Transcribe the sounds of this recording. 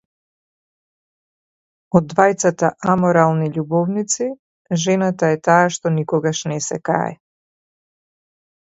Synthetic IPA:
ɔd̪ːvajt̪sat̪aʔamɔɾalˠniʎubɔvnit̪si | ʒɛnat̪aɛt̪aːʃt̪ɔnikɔɡaʃnɛsɛ̰ka̰ɛ̰

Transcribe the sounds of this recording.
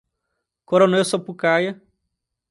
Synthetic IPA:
koɾonewsopukajɐ

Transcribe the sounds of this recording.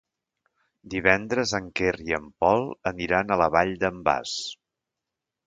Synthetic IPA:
d̪iβ̞ɛnd̪ɾəzəŋkeriəmpɔlˠəniɾanələβaʎd̪əmba̰s

